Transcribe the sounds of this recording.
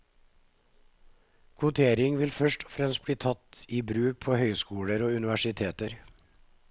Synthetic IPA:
kʰʊt̪ʰeːɾɪŋʋɪlfœʃʈɔ̥fɾɛmst̪̚bɽiːt̪ʰɑt̪iːbɾʉːk̚pʰoːhœʏskuːɽəɾoːʉnɪʋæʂɪt̪ʰeːt̪əɾ

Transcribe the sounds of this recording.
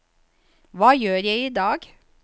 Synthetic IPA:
ʋɑːjøːɾjæɪiːd̪ɑːɡ

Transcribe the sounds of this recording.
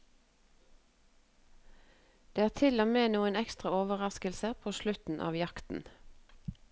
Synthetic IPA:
d̪̥eːæːt̪ʰɪlɔmeːnuːənɛkst̪ʁɑoːʋəʁɑskəlsəpʰoːʃlʉt̪n̩ʔɑ̰ːʋjɑkt̪n̩

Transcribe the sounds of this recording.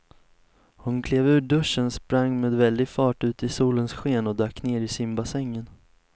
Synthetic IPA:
hʊnkʰleːvʉ̟ːɖɵʂːənspɾaŋːmeːd̪vɛld̪ɪɡfɑːʈʉ̟ːt̪ɪsuːlənsɧeːnɔd̪œːkːneːɾɪsɪmbasɛŋːən

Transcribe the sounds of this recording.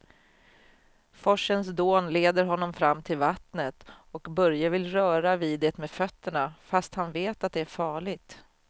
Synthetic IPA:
fɔʂənsd̪oːnleːd̪əɾɦɔnːɔmfɾamːt̪ʰɪlvat̪nət̪ɔkbœɾjavɪlɾœːɾaviːd̪ɛːt̪meːfœt̪ːəɳafast̪hanveːt̪at̪̚d̪ɛæɾfɑːɭɪɡt̪

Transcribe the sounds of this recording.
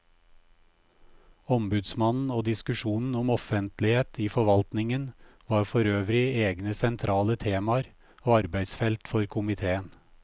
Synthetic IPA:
ɔmbʉd̪smɑnn̩oːd̪ɪskʉʃuːnn̩ɔmɔfənt̪lɪheːt̪ʰiːfɔʋɑlt̪nɪŋənʋɑːɾfɔɾøːʋɾɪeːɡnəsɛnt̪ʰɾɑːlət̪ʰeːmɑɾ | oːɑɾbæɪsfɛlt̪fɔɾkʰʊmɪt̪ʰeːən

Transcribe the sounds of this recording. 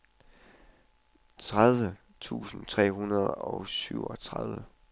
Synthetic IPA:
t͡sʰʁað̞ˠʋə | t͡sʰṵːsn̩t͡sʰʁɛ̰ːɦunɐð̞ˠɐɒ̽ʊsyʊ̰ɒt͡sʰʁaðˠʋə

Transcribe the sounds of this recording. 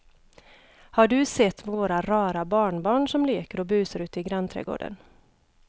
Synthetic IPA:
haɖɵsɛt̪ːvoːɾaɾɑːɾabɑːɳbɑːɳʂɔmliːkəɾɔbʉːsəɾʉ̟ːt̪ɪɡɾant̪ʰɾɛ̰ːɡo̰ːɖə̰n

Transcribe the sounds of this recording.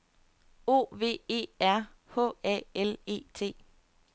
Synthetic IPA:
o̝̰ːʋe̝̰ːe̝̰ːæɐ̰ | hɔ̰ːɛ̰ele̝̰ːt͡sʰe̝̰ː

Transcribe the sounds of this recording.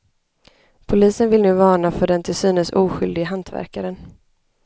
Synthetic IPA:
pʰʊliːsənvɪlnʉ̟ːvɑːɳafœɖɛnt̪ʰɪlsyːnənsuːɧʏld̪ɪɡəɦant̪ʰvæ̰ɾkaɾən

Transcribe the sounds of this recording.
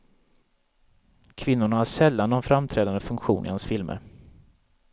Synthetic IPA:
kʰvɪnːʊɳahaʂɛlːanːɔnfɾamt̪ʰɾɛːd̪and̪əfɵŋkɧṵːnʔɪ̰hansfɪlmə̰ɾ

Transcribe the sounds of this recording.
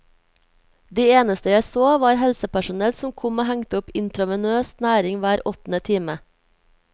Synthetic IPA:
d̪iːeːnəst̪əjæɪsoːʋɑːɾhɛlsəpæʃʊnɛlsɔm̩kʰʊmoːhæŋt̪əʊpɪnt̪ɾɑʋɛnøːsnæːɾɪŋʋæːɾɔt̪n̩ət̪ʰiːmə

